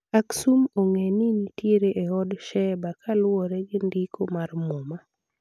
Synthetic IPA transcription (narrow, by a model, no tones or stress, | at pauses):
aksumoŋeninitjeɾeʔeɔdʃɛbakʰalwɔɾɛɡɪndikʰomarmoma